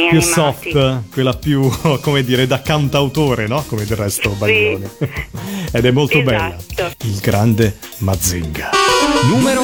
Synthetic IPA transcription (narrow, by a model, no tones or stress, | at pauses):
pjusɔft̪kwelːapjukomed̪ːiːɾed̪akːant̪awt̪oːɾenɔkomed̪erːɛst̪obaʎːoːni | ed̪ɛmːolt̪obɛlːailɡɾand̪emad̪zːḭŋɡanuːmeɾo